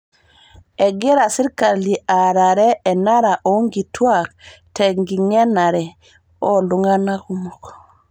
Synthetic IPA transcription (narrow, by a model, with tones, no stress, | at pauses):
ɛ˨ɡe˦ɾa˨si˦ɾka˨li˨ʔa˨ɾa˨ɾɛ˦ɛ˨na˦ɾa˨ʔo˨˦ŋɡi˨twa˦˨ktʰɛ˨ŋɡi˨ŋɛ˦na˨ɾɛ˨ | ɔ˦ndu˨ŋa˦na˦ku˦mɔ˨k